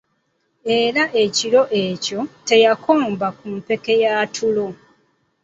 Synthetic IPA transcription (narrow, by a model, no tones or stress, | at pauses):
e̞ɾaʔe̞ciɾo̞ʔeco̞te̞jakʰoːmbakumpe̞ke̞jaːtʰulo̞